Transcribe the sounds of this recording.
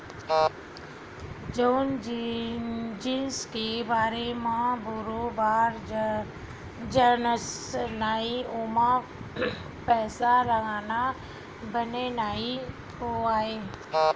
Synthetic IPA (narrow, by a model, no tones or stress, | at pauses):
d͡ʒoːnd͡ʒ | d͡ʒiːskebaːɾemãboɾobaːɾ | d͡ʒənəsnaːioːmã | pɛːsaɾəɡaːna | bənenaːi | oaːɦeː